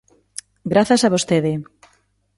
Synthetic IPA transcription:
ɡɾaθasaβost̪eðɪ

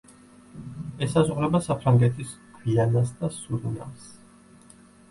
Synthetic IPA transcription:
ɛsazʁɾɛbasapʰɾaŋɡɛt̪ʰiskʰwianasd̪asud̪na̰s

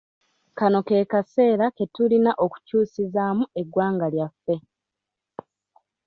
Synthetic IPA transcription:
kano̞ke̞ːkase̞ːɾake̞tulinaʔo̞ku̥cuːsizaːmue̞ɡwaːŋɡaljafːe̞

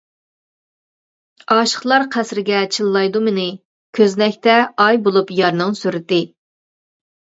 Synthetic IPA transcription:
ɑːʃə̥χlˠɑɾqʰæsɾɪɡʲɛt͡ʃʰɨlˠːɑjd̪umɪnɪ | kʲʰøznɛkʲt̪ɛɑjbolˠupjɑɾnɨŋsyɾɪt̪ɪ

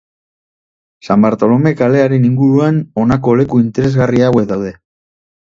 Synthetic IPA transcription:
sambaɾt̪o̞lo̞me̞kale̞aɾe̞niŋɡuɾuano̞nako̞le̞kuint̪e̞ɾe̞zɣariawe̞kðawðe̞

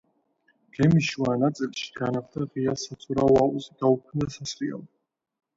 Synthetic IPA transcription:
ɡ̥ɛmiʃwanat̪sʼilʃi̥ɡ̥anaχt̪ʰaʁiasat̪sʼʰuɾawazɡ̥aukʰnd̪asasɾia̰lˠ

